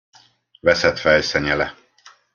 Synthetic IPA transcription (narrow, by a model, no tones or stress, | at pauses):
vɛsɛt̪fɛjsɛɲɛlɛ